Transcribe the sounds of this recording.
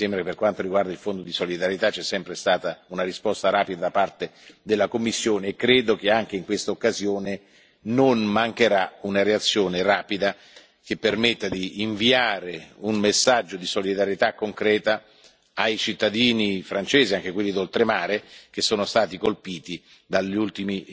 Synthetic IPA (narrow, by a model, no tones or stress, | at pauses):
sɛmbɾakepːerkwant̪oɾiɡward̪ailfond̪od̪isolid̪aɾjet̪at͡ʃːɛsːɛmpɾest̪aːt̪aunaɾispɔst̪aɾaːpid̪ad̪apart̪ed̪elːakomːisːjoːneːkːɾeːd̪ok̟eaŋk̟eiŋkwest̪aokːazjoːne | nonmaŋkeɾaunaɾeat̪sːjoːneraːpid̪a | k̟epːermet̪ːad̪iːɱviaːɾeunmesːad͡ʒːod̪isolid̪aɾjet̪akːoŋkɾɛːt̪a | ajt͡ʃit̪ːad̪iːnifɾant͡ʃeːziaŋk̟ekwelːid̪olt̪ɾemaːɾek̟esːoːnost̪aːt̪ikolpiːt̪i | d̪aʎːult̪imi